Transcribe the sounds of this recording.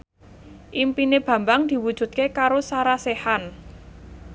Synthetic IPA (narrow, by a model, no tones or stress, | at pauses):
ʔimpineb̥ä̤mbaŋd̪̥i̤wud̥ʒ̥ṳt̪̚kekaɾosaɾasehan